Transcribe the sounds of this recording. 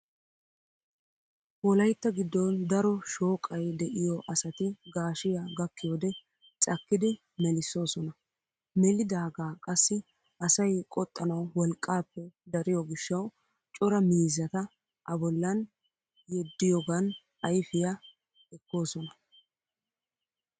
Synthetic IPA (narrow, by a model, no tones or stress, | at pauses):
ɔlɐjt̪ːɐɡɪd̪ːɔnd̪ɐɾɔʃo̞ːkʼɐjd̪ɛʔɪjɔʔɐsɐt̪ɪɡaːʃɪjaɡɐkːɪjod̪ɛ | t͡sʼɐkːɪd̪ɪ | mɛlɪsːo̞ːsɔnɐ | mɛlɪd̪aːɡaːkʼɐsːɪ | ʔɐsɐjkʼɔt̪ʼːɐnɐwːɔlkʼːaːpːɛd̪ɐɾɪjɔɡɪʃːɐw | t͡ʃʼɔɾɐmiːzɐt̪ɐ | ʔɐbɔlːɐn | jɛd̪ːɪjɔɡɐn | ɐjfɪja | ɛkːo̞ːsɔnɐ